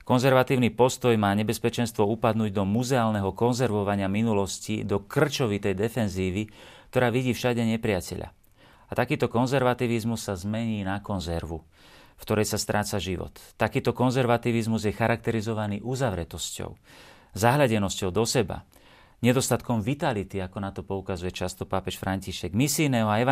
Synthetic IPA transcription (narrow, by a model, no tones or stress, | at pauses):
kɔnzɛɾʋat̪iːʊnipɔst̪ɔjmaːɲɛbɛspɛt͡ʃɛnst̪ʋɔupad̪nuːɟd̪ɔmuzɛaːlnɛɦɔkɔnzɛɾʋɔʋaɲɪaminulɔscḭd̪ɔkr̩t͡ʃɔʋit̪ɛjd̪ɛfɛnziːʋik̚t̪ɔɾaːʋiɟiːfʃaɟɛɲɛpɾɪacɛʎa̰ | at̪akiːt̪ɔkɔnzɛɾʋat̪iːʋizmusːazmɛɲiːnakɔnzɛɾʋu | fkt̪ɔɾɛjsast̪ɾʔaːt͡saʒiʋɔ̰t̪ːakiːt̪ɔkɔnzɛɾʋat̪iʋizmuzjɛxaɾak̚t̪ɛɾizɔʋaniːʔuzaʋɾɛt̪ɔscɔ̰ʊ | zaɦlaɟɛnɔscɔʊd̪ɔsɛba̰ | ɲɛd̪ɔst̪at̪kɔmʋit̪alit̪iakɔnat̪ɔpɔukazujɛt͡ʃast̪ɔpapɛʃfɾaɲciʃɛɡmisiːnɛːɦɔaɛ